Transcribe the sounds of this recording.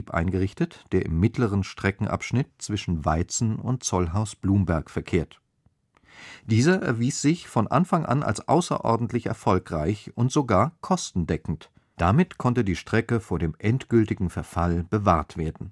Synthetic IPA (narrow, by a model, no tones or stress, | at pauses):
pʔa̰ɪnɡəʁɪçtətd̥eːɐʔɪ̰mːɪtʰləʁ̞ənʃtʁ̥ɛkŋ̩ʔa̰pʃnɪt̚t͡sv̥ɪʃn̩vaɪt͡sn̩ʊ̰nt̚t͡sɔlɦaʊsb̥luːmbɛɐkfɛɐkʰeːɐt | d̥iːzɐʔɛ̰ɐviːsz̥ɪçfɔnʔa̰nfaŋʔa̰nʔa̰lsʔa̰ʊsɐ̰ʔɔ̰ɐdn̩tʰlɪçɛ̰ɐfɔlkʁ̥aɪçʔʊntz̥oɡaːɐkʰɔstn̩dɛkŋ̩t | d̥amɪtkʰɔntədiːʃtʁ̥ɛkəfoːɐdeːmʔɛntɡ̥ʏltɪɡŋ̩fɛɐfalb̥əvaːɐtv̥eːɐdn̩